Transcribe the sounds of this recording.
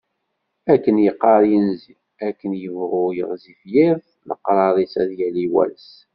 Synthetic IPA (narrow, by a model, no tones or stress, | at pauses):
ækːənjəqːɑɾˤjənzi | ækːənjəvʁʊjəʁzifjið | lə̰qːɾˤɑɾˤisæðjæliwæ̰ls